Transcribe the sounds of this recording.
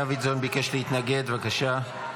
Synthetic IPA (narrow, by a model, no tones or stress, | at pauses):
avizonbikeʃleit̪naɡe̞d̪vakaʃa